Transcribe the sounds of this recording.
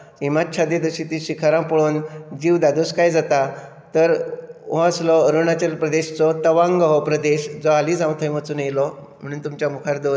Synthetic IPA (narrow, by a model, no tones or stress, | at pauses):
imatt͡ɕʰad̪ed̪əɕiːt̪iɕikʰaɾãpəɭuːnd͡ʑiːʋd̪ad̪uskajd͡zat̪a | t̪əɾɦɔəslɔəɾunat͡ɕəlpɾəd̪eɕt͡sɔt̪əʋãŋɡɦɔpɾəd̪eɕd͡zɔalĩd͡zãw̃t̪ʰəjmət͡suːnjlɔm̤əɽ̃uːnt̪umt͡ɕjamukʰaɾd̪o